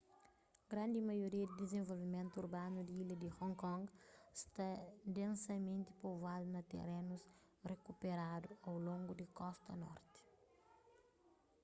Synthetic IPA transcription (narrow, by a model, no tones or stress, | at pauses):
ɡɾãnd̪imɐjoɾiɐd̪id̪ezẽvolvimẽnt̪uuɾbanud̪iilɐd̪ihɔ̃ŋkɔ̃ŋɡst̪ɐd̪ẽnsɐmẽnt̪i̥povad̪unɐt̪ḛrenus | rekupeɾad̪uɐwlõŋɡud̪ikɔst̪ɐnɔ̰ɾt̪i̥